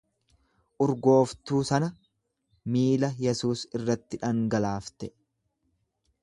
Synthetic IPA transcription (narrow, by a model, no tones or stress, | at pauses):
ʔʊɾɡo̞ːft̪uːsɐnɐ | miːlɐjɛsuːsɪrːɐt̪ːɪᶑɐŋɡɐlaːft̪ɛ